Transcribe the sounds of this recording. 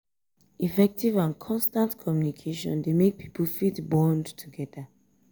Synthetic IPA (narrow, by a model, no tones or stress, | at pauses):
ifɛk̚tivãnkʰɔ̃nstãntkʰɔmjunikʰeʃɔ̰̃ndemek̚pʰi̥pəlfitbɔ̃ndtʰuɡɛda